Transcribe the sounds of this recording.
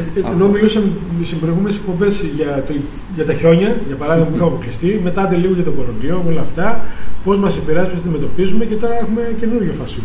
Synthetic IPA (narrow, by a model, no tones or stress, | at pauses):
enomilusɐmisimboɾeɣumenesi̥kpo̞be̞sʝɐt̪i | ʝɐt̪ɐço̞ɲɐʝɐpɐɾɐðimɐpixɐomekɾist̪ime̞t̪ɐt̪eliɣoʝɐt̪okoɾondioolɐːft̪ɐpo̞zmɐsipiɾɐsposɐd̪ime̞t̪o̞pizume̞ce̞t̪o̞ɾɐe̞xume̞ce̞nuɾʝo̞fɐsi